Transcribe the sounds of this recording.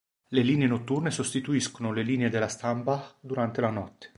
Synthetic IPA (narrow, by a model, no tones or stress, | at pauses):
leliːneenot̪ːurnesost̪it̪uiskonoleliːneed̪elːast̪ampad̪uɾant̪elanɔt̪ːe̥